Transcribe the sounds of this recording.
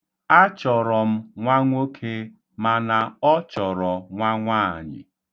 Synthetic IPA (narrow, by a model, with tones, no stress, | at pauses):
a˦t͡ʃɔ˨ɾɔ˨m̩˦ŋʷa˦ŋʷo˦kʰe˦ | ma˨na˨ɔ˦t͡ʃɔ˨ɾɔ˨ŋʷa˦ŋʷaː˦˨ɲɪ̰˨